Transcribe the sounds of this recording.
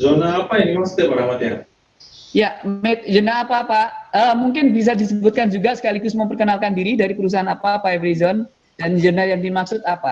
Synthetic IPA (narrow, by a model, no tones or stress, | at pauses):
zonaːpainimaksʊ̥t̪apaɾamat̪a̰ | jamɛt̪̚d͡ʒənaːpaːpaəmuŋkɪnbis̬adisəbut̪̚kand͡ʒuɡasə̥kalikʊsməmpərkənalkandiɾidaɾipəɾus̬aɦanapapaevəɾizɔn | dand͡ʒənajaŋdimaksʊt̪̚apa